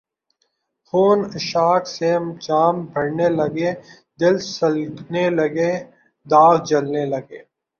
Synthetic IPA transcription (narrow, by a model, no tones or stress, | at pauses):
xoːnɪʃaːksemt͡ʃaːmbʱɐɽnelɐɡe | d̪ɪlsɐlnelɐɡeː | d̪aːɣd͡ʒɐlnelɐɡeː